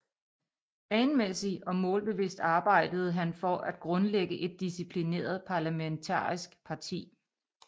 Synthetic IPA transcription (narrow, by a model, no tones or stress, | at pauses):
ɛːnmesiʔɒ̽mɔ̽ːlb̥e̝ʋe̝sd̥ɑ̈ːb̥ɑ̈ɪ̰d̥əð̞̩ˠɦænfɒ̽ʔæd̥ɡ̥ʁɔ̽nleɡ̥əʔe̝d̥̚ːisipʰline̝̰ːɐð̞̩ˠpʰɑ̈læment͡sʰɑ̰̈ːisɡ̥pʰɑ̈t͡sʰḭː